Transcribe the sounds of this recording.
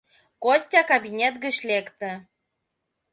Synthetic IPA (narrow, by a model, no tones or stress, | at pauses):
kosʲtʲɑkabʲinʲet̪ɡə̆ɕlʲekt̪ɘ̆